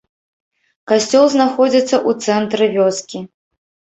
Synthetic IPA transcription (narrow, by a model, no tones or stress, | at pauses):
kasʲt͡sʲɔlˠznaxɔd͡zʲit̪sːɐʔut̪sɛnt̪ɾɨvʲɔskʲi